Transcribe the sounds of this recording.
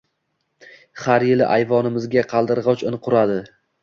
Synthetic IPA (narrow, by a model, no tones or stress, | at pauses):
haɾjɪlɪʔajvɒnɪmɪzɡʲaqʰɑlˠd̪ɪɾʁɒt͡ʃɪnqʰʊɾad̪ɪ